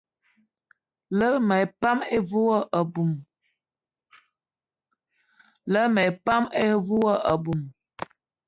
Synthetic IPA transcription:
lə˦mɛ˨pa˦me˦vu˦wə˦ʔə˨bu˨m | lə˦mə˨pa˦me˦vu˦wə˦ʔə˨bu˨m

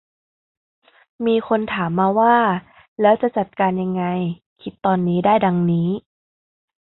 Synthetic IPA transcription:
miː˧kʰo˧nt̪ʰaː˩˦mːaː˧waː˥˩ | lɛː˦˥wt͡ɕa˨˩t͡ɕa˨˩t̪̚kaː˧nja˧ŋːa˧j | kʰi˦˥t̪ːɔː˧nːiː˦˥daː˥˩jda˧ŋniː˦˥

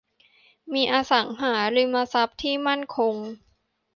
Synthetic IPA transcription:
miː˧ʔaː˧sa˩˦ŋɦaː˩˦ɾɯ˧˦maː˧sa˦˥p̚t̪ʰiː˥˩ma˥˩nkʰo˧ŋ

